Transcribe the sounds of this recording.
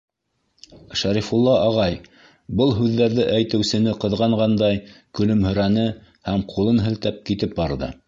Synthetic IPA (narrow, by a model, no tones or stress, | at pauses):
ʃæɾifulˠːɑʔɑʁɑj | bɤlˠɦʉðːæɾðɘʔæjt̪ɘ̆wsɘ̆nɘqɤ̆ðʁɑɴʁɑnd̪ɑjkɵ̆lɵ̆mhɵ̆ɾænɘ | hæmqʰulˠɤnɦɘ̆lt̪æp̚kit̪ɘp̚bɑɾðɤ̰